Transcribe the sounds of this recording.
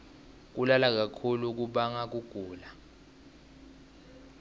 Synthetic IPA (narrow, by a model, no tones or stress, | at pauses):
k̬ulalak̬akʰuluk̬uɓaŋak̬uɡ̥ʱuːla